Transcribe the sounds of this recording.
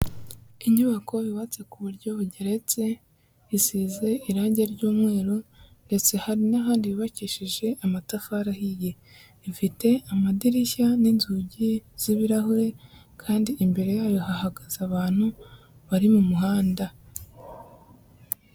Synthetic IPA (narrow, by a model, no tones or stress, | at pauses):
iɲuβakʰo̞iwat͡se̞kuβuɾɟo̞ɟeɾe̞t͡se̞ | isiːze̞iɾaːɲɟeɾɟuːmŋe̞ːɾonde̞t͡se̞haɾinaɦaːndiβiβaciːʃiʒe̞ʔamatafaɾahije̞ | ifite̞amadiɾiçaninzuɟiz̥iβiɾahuɾe̞ | kʰaːndiʔimbe̞ɾe̞jaːjo̞hahaɡaz̥aβaːn̥hu | βaɾimumuɦaːnda